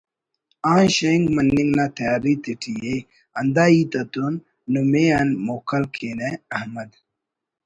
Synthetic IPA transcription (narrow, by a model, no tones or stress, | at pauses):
ãːnɕeŋɡmɐnːiŋɡnaːt̪ʰɐjaːɾit̪iʈʰije | ɐnd̪aːiːt̪ɐt̪unː | umeɐnmoːkɐlkʰeneɐhmɐd̪